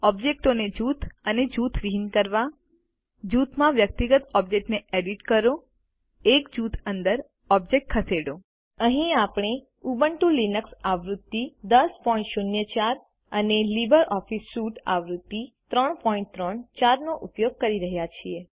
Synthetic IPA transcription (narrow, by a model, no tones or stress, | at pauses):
ɔbd͡ʒek̚ʈoned͡ʒut̪ʰəned͡ʒut̪ʰʋiɦinkəɾʋa | d͡ʒut̪ʰmãʋjək̚t̪iɡət̪ɔb̚d͡ʒek̚ʈneeɖiʈkəɾo | ekd͡ʒut̪ʰənd̪əɾ | ɔb̚d͡ʒek̚ʈ̚kʰəseɽo | əɦĩapɽ̃e | ubəɳʈũlinəksaʋɾud̪ːid̪əspɔĩɳʈʃunjət͡ʃaɾ | ənelibəɾʔɔfisːuʈa̰ʋɾut̪ːit̪ɾəɳpɔĩɳʈ̚t̪ɾəɳt͡ʃaɾnoʔupjoɡ̚kəɾiɾəɦjat͡ʃʰie